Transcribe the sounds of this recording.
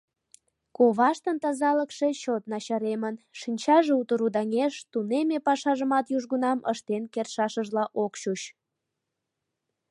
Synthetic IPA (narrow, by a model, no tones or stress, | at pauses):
koβɑʃt̪ənt̪ɑzɑləkʃeɕot̪nɑɕɑɾemənʃinʲt͡ɕɑʒeut̪əɾud̪ɑŋeʃt̪unemepɑʃɑʒəmɑt̪juʒɣunɑməʃt̪enkerʃɑʃəʒlɑʔokɕut͡ɕ